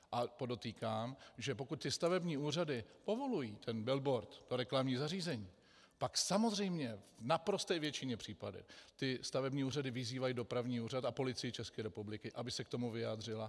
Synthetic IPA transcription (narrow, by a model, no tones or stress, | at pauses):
ʔapo̞do̞t̪iːkaːmʒɛp̬o̞kut̪̚t̪ɪst̪avɛbɲiːuːr̝adɪpo̞vo̞lujiːt̪ʰɛnbɛlbo̞ɾt̪t̪oɾɛklamɲiːzariːzɛɲiː | paksamo̞zr̝ɛjmɲɛvnapɾo̞st̪ɛːjvjɛt͡ʃɪɲɛpr̥iːpadɪ̰t̪ɪst̪avɛbɲiːuːradɪvɪziːvajiːdo̞pɾavɲiːuːrat̪apo̞lɪt͡sɪjɪt͡ʃɛskɛːɾɛpublɪkɪʔabɪsɛk̚t̪omuvɪjaːd̪r̝ɪla